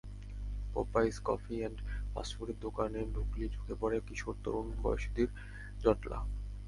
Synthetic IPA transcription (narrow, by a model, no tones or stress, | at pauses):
pɔ̰pajskɔfiɛɳɖpa̰sfuɾed̪okaneɖʱuklid͡ʑʰʱukepɔɾekiʃoɾt̪o̰ɾunbɔ̰jeʃd̪iɾ | d͡ʑɔʈla̰